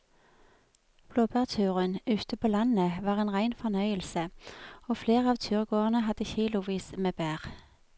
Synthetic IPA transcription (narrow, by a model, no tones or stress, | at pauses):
b̥loːbæːʁt̪ʰʉːʁənʉːt̪əpʰoːlɑnəʋɑːʁeːnʁæɪnfɔʁnœʏəlsəoːfleːʁəɑːʋt̪ʰʉːʁɡoːʁənəɦɑd̪̥əçiːlʊʋiːsmeːbæːʁ